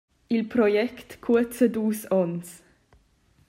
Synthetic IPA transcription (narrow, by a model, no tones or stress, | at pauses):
ilpɾɔjɛkt̪kʰːuət͡səd̪uːsɔns